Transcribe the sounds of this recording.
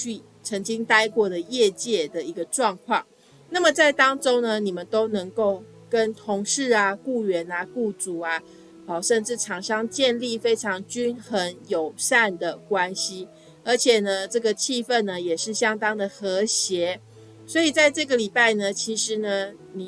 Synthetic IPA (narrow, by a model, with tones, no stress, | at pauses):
y˥˩ | t͡sʰə˧˥ŋt͡ɕi˥ŋt̪a˥ɪkwɔ˥˩d̪ə˩jɛ˥˧t͡ɕjɛ˥˩d̪ə˩i˧˥ɡə˧ʈ͡ʂwɑ˥˧ŋkʰwɑ˥˩ŋ | na˥˩mə˨˩t͡sa˥˩ɪt̪ɑ˥ŋʈ͡ʂo˥ŋnə˨ni˨˩mə˨nt̪o˥ʊnə˧˥ŋko˥˩ʊ | kə˦˥nt̪ʰo˧˥ŋʂɻ̩˥˩a˨ku˥˩ɥɛ˨˧˥na˧ku˥˩t͡su˨˩a˦ | ə˨˩ʂə˥˧nʈ͡ʂɻ̩˥˩ʈ͡ʂʰɑ˨˩ŋʂɑ˥ŋt͡ɕjɛ˥˧nli˥˨fe˥ɪʈ͡ʂʰɑ˧˦˥ŋt͡ɕy˥nxə˧˦njo˨˩ʊsa˥˩nd̪ə˩kwa˦nɕi˦ | ə˞˧˥t͡ɕʰjɛ˨˩nə˦ʈ͡ʂɤ˥˩ɡə˩t͡ɕʰi˥˧fə˥˩nːə˩jɛ˨˩ʂɻ̩˥˩ɕjɑ˥ŋt̪ɑ˥ŋd̪ə˨xə˧˥ɕjɛ˧˥˦ | swɔ˧˥i˨˩t͡sa˥˧ɪʈ͡ʂɤ˥˩ɡə˨˩li˨˩pa˥˩ɪnə˩t͡ɕʰi˧˥ʂɻ̩˧˥nə˧ | ni˨˩